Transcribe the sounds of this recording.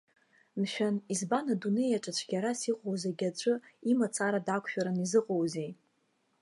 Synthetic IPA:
nʃᶣanizbanadune̞jaʈ͡ʂʼat͡ɕʷʰɡʲaɾasiqʼowzaɡʲat͡ʃʷʼɨimat͡sʰaɾadakʷʰʃᶣaɾanizɨqʼowzej

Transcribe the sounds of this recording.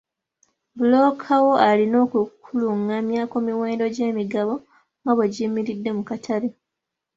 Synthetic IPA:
bulo̞ːkʰawo̞alino̞ːkukʰuluŋamjakumiwe̞ːndo̞ɟe̞ːmiɡaβo̞ | ŋɡaβwe̞ɟimiɾidːe̞mukatʰaɾi

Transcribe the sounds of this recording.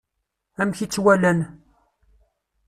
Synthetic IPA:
æmçit͡sːwælæn

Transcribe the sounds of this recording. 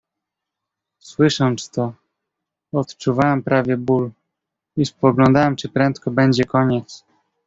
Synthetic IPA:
swɘʂɔnt̪st̪ɔ | ɔt̪t͡ʂuvawɛmpɾavʲjɛbul | ispɔɡlɔ̃nd̪awɛmt͡ʂɘpɾɛnt̪kɔbɛɲd͡ʑɛkɔɲɛt̪s

